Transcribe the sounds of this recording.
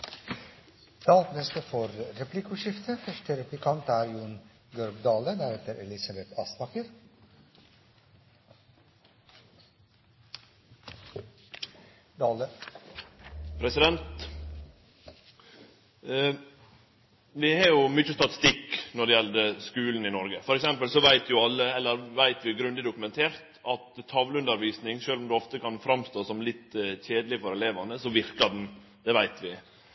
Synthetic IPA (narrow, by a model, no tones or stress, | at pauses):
d̪̥ɑːltnɛst̪əfɔɾɾɛplɪkʊʃɪft̪ʰəfœʂʈəɾɛplɪkʰɑnt̪æːɾjuːn | ɡœɾɡd̪ɑːlənæɾheːt̪əɾʔɛlɪsɑbɛt̪ʰɑːsnɑkəɾ | d̪ɑːlə | pʰɾɛsɪd̪ɛnt̪ | ʋɪhɑɾjʊmʏt͡ʃːəst̪ɑt̪ɪ̥st̪ɪkːnɔɖɛjɛld̪əskʉːln̩ɪnɔɾɡəfɔɾɛksɛmpəlsɔʋæɪt̪ʰjʊɑlːəɛlːəɾʋæɪt̪ʋɪɡɾʉnd̪ɪd̪ʊkʉmɛnt̪ʰeːɾt̪ɑt̪ʰːɑʋləʉnəɾʋiːsnɪŋʃøːlɔmd̪ʉɔft̪əkɑnfɾɑmst̪oːsɔmlɪt̪ːçeːd̪əlɪfɔɾɛleːʋɑnəsɔʋɪɾkɑd̪n̩ | d̪ɛʋæɪt̪ʰʋɪ